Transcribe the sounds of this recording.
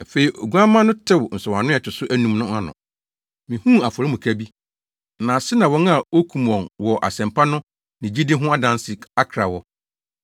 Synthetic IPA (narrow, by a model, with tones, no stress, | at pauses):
æ˨fe˨i˨ʔo˨ɡu˦a˦mã˦nʊ̃˦tʰɪ˦wn̩˨sʊ˨ã˨nʊ̃˦ɛ˨t͡ɕʰᶣɪ˨sʊ˦ʔæ˦nũ˨mnʊ̃˦a˦nʊ̰̃˨ | mĩ˨hũ˦a˨fʊ˨ɾɪ˦mʊ̃˨kʰæ˦bi˦ | nãː˨sɪ˦nã˨wɔ̃˦na˨o˦kʰũ˨mɔ̃˨nwɔ˨ʔa̰˨sɛ̃˨mpʰa˦nʊ̃˦ | nɪ̃˨d͡ʑi˦dɪ̃˦ɦʊ̃˦a˦dã˦nsɪ˨a˦kʰɾa˨wɔ˦